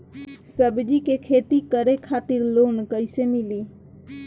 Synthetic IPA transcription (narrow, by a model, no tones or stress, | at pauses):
səbd͡ʒikekʰet̪ikəɾekʰat̪iɾlonkəɪsemili